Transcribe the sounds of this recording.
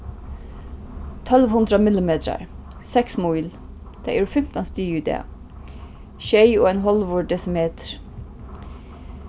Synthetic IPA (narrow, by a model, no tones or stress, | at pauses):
t̪ʰœlʋhʊnd̪ɾəmɪlɪmeːt̪ɾə̰ɾsɛksmuʏl | d̪̥æ̰ʔʉɹfʏmt̪ɑnst̪yːʉd̪ḛː | ʃeɪoːeːnɦɔlʋʊɖɖɛsɪmeːt̪ʰɾ